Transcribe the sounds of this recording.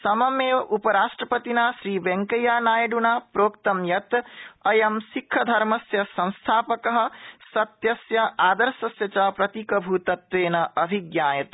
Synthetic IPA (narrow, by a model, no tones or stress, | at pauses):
sɐmɐmeːupɐɾaːʂʈɾɐpɐt̪inaːʃɾiːʋeŋkɐjaːnaːjɐɖunaːpɾoːkt̪ɐmjɐt̪ɐjɐmsikʰːɐd̪ʱɐɾmɐsjɐsɐ̃w̃st̪ʰaːpɐkɐɦɐ̆sɐt̪jɐsjɐaːd̪ɐɾsɐsjɐt͡ʃɐpɾɐt̪ikɐbʱuːt̪ɐt̪ʋeːnɐɐbʱiɡjaːjɐt̪